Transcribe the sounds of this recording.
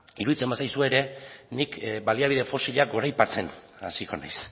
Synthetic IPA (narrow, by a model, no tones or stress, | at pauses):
iɾuðit͡se̞mbasajsue̞ɾe̞nikbaliaβiðe̞fo̞siʎaɡo̞ɾajpat͡se̞n | a̰siko̞̰na̰js